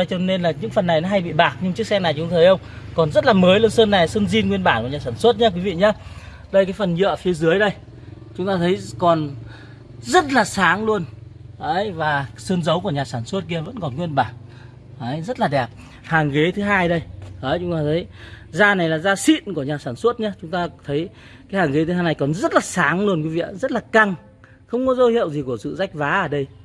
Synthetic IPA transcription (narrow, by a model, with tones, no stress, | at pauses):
jt͡ɕɔ˧ne˧nlaː˨˩ɲɨ̰˧˥ŋfə˨˩nːa˨˩jnɔ˨˦ɦa˧jɓḭ˧˨ɓaː˨˩k̚ɲɨ˧ŋt͡ɕɨ˦˥ək̚sɛ˧ŋna˨˩jt͡ɕʊ˨˦ŋ͡ma˧tʰə˨˦jə˧wŋ͡mkɔ˨˩nzə˦˥t̚laː˨˩məː˨˦jlə˧nsəː˧nːa˨˩jsəː˧nzi˧nŋwi˧ənɓaː˧˩nku˧˩ɲaː˨˩saː˧˩nswə˦˥t̚ɲaː˨˦kwi˨˦vḭ˧˨ɲaː˨˦ | ɗə˧jkaː˨˦jfə˨˩nɲə̰ː˧˨fi˨˦əzɨ˨˦əjɗə˧j | t͡ɕʊ˨˦ŋ͡mt̪aː˧t̪ʰə˨˦jkɔ˨˩n | zə˦˥t̚laː˨˩saː˨˦ŋlu˧ən | ʔə˨˦jvaː˨˩sɨː˧nzə˨˦wku˧˩əɲaː˨˩saː˧˩nsə˦˥t̚ki˧əvə̰˧˥nkɔ˨˩nkwi˧ənɓaː˧˩ŋ | ʔəː˨˦jzə˦˥t̚laː˨˩ɗɛ˨˩p̚ | haː˨˩ŋɣe˨˦t̪ʰɨ˨˦ɦaː˧jɗə˧jʔəː˨˦jt͡ɕʊ˨˦ŋ͡mt̪aː˧ə˨˦jzaː˧na˨˩jlaː˨˩zaː˧sḭ˧˨nku˧˩əɲaː˨˩saː˧˩nswə˦˥ət̚ɲaː˨˦t͡ɕʊ˨˦ŋ͡mt̪aː˧t̪ʰə˨˦j | kaː˨˦jhaː˨˩ŋɣe˨˦t̪ɨ˨˧˦aː˧jn˨˩jkɔ˨˩nzə˦˥t̚laː˨˩saː˨˦ŋlu˧ənkwi˨˦vḭ˧˨ʔzə˦˥t̚laː˨˩ka˧˩ŋ | xə˧wŋ͡mkɔ˨˦zo˧hḭ˧˨əwzi˨˩ku˧˩əsɨ̰˧˨za˦˥jk̚vaː˨˦ʔəː˧˩ɗə˧j